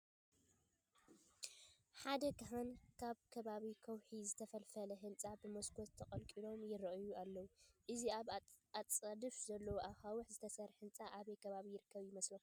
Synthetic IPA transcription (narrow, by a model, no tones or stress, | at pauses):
ħad̪ɐkɐɦankʰaβkʰɐβaβikʰɐwħizɨt̪ʰɐfɐlfɐlɐɦɨnt͡sʼabɨmoskʰott̪ʰːɐkʼɐlkʼilo̞mjɪɾɐʔɨjualːɐwuʔɨziaβat͡sʼɐd̪ɨfzɐlːɐwoʔaxawuħzɨt̪ʰɐsɐɾħɨnt͡sʼaʔaβɐjkʰɐβaβijɪɾɨkʰːɐβjɪmɐslo